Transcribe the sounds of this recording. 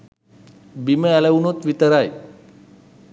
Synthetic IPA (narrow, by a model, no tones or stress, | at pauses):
biməɛləunot̪ʋit̪əɾaj